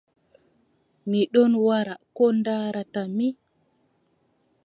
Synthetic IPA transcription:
miɗɔnwaɾakɔndaɾatami

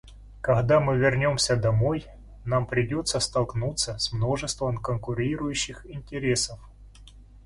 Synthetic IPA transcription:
kɐɣd̪amɨvʲɪrnʲo̞msʲəd̪ɐmo̞j | nampɾʲɪdʲo̞t̪səst̪ɐlˠknut̪səsmno̞ʐɨst̪vəmkənkʊɾʲiɾʊjʉɕːɪxɪnʲtʲɪɾʲesəf

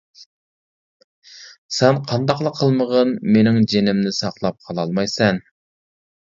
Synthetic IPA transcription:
seɴqʰɑnd̪ɑqlˠəqʰːəlˠməʁənmenɪŋʒenɪmnɪsɑqlˠɑp̚qʰɑlˠɑlˠmɑjsɑn

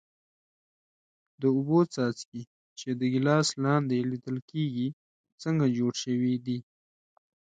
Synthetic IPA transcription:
d̪əʊbot͡sɑt͡ski | t͡ʃed̪əɡilɑslɑnd̪elid̪əlkeɡi | t͡səŋɡad͡ʒoɽʃəwid̪i

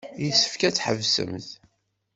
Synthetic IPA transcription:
jəsːə̥fkæt͡sːħəvsə̰mθ

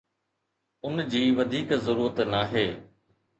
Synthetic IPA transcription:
ʊnd͡ʑiːʋɐd̪ʱiːkzɐɾuːɾət̪naːɦeː

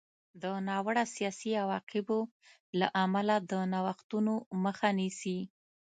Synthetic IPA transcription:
d̪ənɑwəɽasijɑsiawɑqɪbo | laʔamalad̪ənawaxt̪unoməxanisi

